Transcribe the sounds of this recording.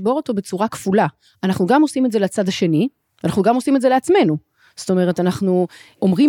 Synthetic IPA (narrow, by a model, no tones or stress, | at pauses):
bo̞ʁo̞to̞be̞t͡suʁakv̥ula | anaχnuɡamo̞simetze̞let͡sadaʃe̞ni | anaχnuɡamo̞simetzeleat͡sme̞nu | z̥to̞me̞ʁ̞etanaχnu | ʔo̞mʁi